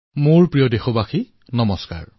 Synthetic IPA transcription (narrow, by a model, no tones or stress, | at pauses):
moɹpɹijɔdexobaxi | nɔmɔska̰ɹ